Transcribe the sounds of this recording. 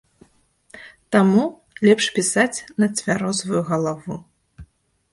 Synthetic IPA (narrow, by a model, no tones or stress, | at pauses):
t̪amu | lʲɛpʂpʲisat͡sʲnɐt͡sʲvʲaɾɔzvujuɣɐlˠavu